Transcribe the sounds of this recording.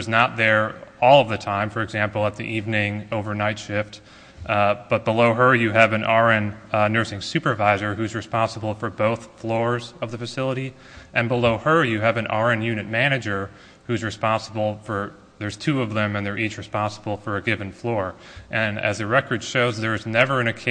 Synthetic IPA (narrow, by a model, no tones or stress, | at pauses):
ʌznət̪̚ðə˞ɔlˠʌvðɨtʰãɪ̃ɱfə˞ɨɡzæ̃mpl̩ˠət̪̚ðḭʔivnɪ̃ŋoʊvə˞naɪtʃɪft | b̥ʌt̚b̥əloʊə˞jɨːvɨ̃nʔɑɹɨ̃nnɜ˞sɪ̃ŋsʉpə˞vaɪzə˞ʉzɹɨspɑ̃nsəbl̩ˠfə˞boʊθflɔɹzʌvðəfɨsɪlˠəɾi | ʔɨ̃nbəloʊə˞jɨɨvɨ̃nʔɑɹɨ̃njʉnɨt̚mæñɨd͡ʒə˞ | hʉzɹɨspɑ̃nsəbl̩ˠfə˞ | ðə˞z̥tʰʉʌvðɨ̃mɨ̃nðə˞ʔit͡ʃɹɨspɑ̃nsəbl̩ˠfə˞ɨɡɪvɨ̃n̩flɔɹ | ʔɨ̃nɨ̰zðɨɹɛkə˞d̥ʃoʊzðə˞ɨznɛvə˞ɨ̃nɨkʰ